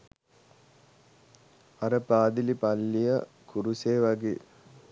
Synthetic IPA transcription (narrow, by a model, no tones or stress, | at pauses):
ɐɾəpaːd̪ilipalːijə | kuɾuseːʋaɡḛː